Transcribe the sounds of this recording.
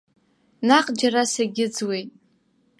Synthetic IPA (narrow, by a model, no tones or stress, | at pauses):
naqʼd͡ʒarasaɡʲɪd͡zwe̞jtʼ